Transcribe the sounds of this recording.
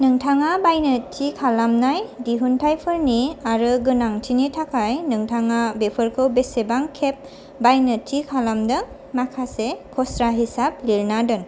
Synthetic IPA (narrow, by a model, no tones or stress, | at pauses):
nɯŋtʰaŋabajnɯtʰikʰalamnajdiɦuntʰajpʰɯɾniaɾɯɡɯnaŋtʰinitʰakʰajnɯŋtʰaŋabepʰɯɾkʰɯwbesebaŋkʰep̚ | bajnɯtʰikʰalamdɯ | makʰasekʰɔsɾaɦisap̚liɾnadɯn